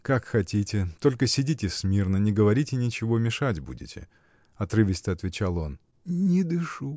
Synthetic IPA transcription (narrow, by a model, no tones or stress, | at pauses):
kakxɐtʲitʲɪt̪o̞lʲkəsʲɪdʲitʲɪsmʲirnənʲɪɡəvɐɾʲitʲɪnʲɪt͡ɕɪvo̞mʲɪʂatʲbṵdʲɪ̰tʲɪ̰ | ɐt̪ɾɨvʲɪsʲt̪əɐt̪vʲɪt͡ɕalˠo̞n | nʲɪd̪ɨʂu